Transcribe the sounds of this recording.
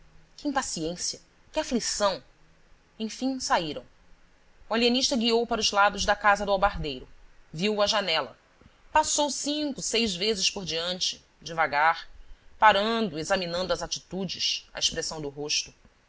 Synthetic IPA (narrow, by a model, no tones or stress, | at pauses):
kɪĩpasiẽsiɐ | kɪaflisɐ̃w̃ | ẽj̃fĩsaiɾɐ̰̃w̃ | ualiɐniʃt̪ɐɡiowpaɾʊzlad̪ʊzd̪ɐkazɐd̪ʊawbaɾd̪ejɾʊviwɐʒanɛlɐ̰ | pasowsĩkʊsejzvezɪʃpoɾd͡ʒiɐ̃nt͡ʃɪ̥ | d͡ʒɪvaɡaɾpaɾɐ̃nd̪ʊezaminɐ̃nd̪ʊɐzat͡ʃi̥t̪ud͡ʒɪʃɐ̰eʃpɾesɐ̃w̃d̪ʊɦoʃt̪ʊ